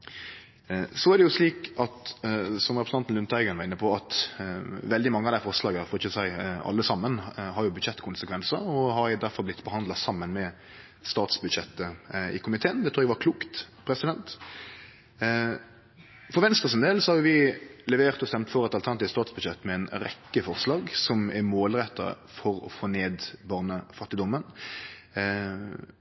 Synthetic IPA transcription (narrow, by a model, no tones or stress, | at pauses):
sɔæɾdɛjʊsliːkɑt̪sɔmʁɛpɾəsɑnt̪n̩ʉnt̪æɪɡənʋɑʁɪnːəpʰɔɑt̪ | ʋɛld̪ɪmɑŋːəɑd̪æɪfɔʁslɑːɡəæɾfɔɾɪçəsæɪɑ̰lːəsɑmːənɦɑɾjʊbʉd̪ɕɛt̪ːkʰʊnsəkʰʋɛnsəɾɔɦɑɾɪd̪æɾfɔɾlblɪt̪bəhɑnd̪lɑsɑmːənmɛ | st̪ɑːt̪sbʉd̪ʃɛt̪ːəɪ̰kʰʊmɪt̪ʰeːənd̪ɛt̪ɾuːɛɡɛʋɑɾkʰluːkt̪pʰɾɛsɪd̪ɛnt̪ | fɔɾʋɛnst̪ʁəsɪnd̪eːlsɔhɑɾjʊʋɪlɛʋeːʁt̪ɔst̪ɛmt̪fɔɾɛt̪ɑlt̪ʰænɑt̪iːʋst̪ɑːt̪sbʉd̪ɕjɛt̪ːmɛɛɪnɾɛkːəfɔʁslɑːɡsɔmæɾmoːlʁɛt̪ːə̰ɾ̰ | fɔɾɔ̰foːneːd̪bɑːʁnəfɑt̪ːɪd̪ɔmːən